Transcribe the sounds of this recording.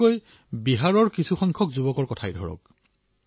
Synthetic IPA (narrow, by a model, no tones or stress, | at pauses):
oj | biɦaɹɔɹkisʰuxɔŋkʰɔkzubɔkɔɹkɔtʰajdʱɔ̰ɹɔ̰k̚